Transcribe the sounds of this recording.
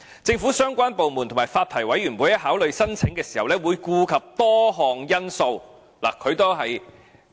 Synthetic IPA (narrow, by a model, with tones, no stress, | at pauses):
t͡sɪ˧ŋfuː˨˥sœː˥ŋkʷaː˥npo˨wmuː˨˩nt̪ʰmaː˨˩faː˧t̚t̪ʰɐ˨˩jwɐ˨˥jyː˨˩nwuː˨˥jɐ˥ɦaː˨˥wlɵ˨˧ɥsɐ˥nt͡sʰɪ˨˥ŋkɛː˧siː˨˩hɐ˨wlɛː˥wuː˨˧jkuː˧kʰɐ˨p̚t̪ɔː˥ɦɔː˨˩ŋjɐ˥nso˧w | la̰ː˨˩kʰɵ˨˧ɥt̪o˥ɦɐ˨j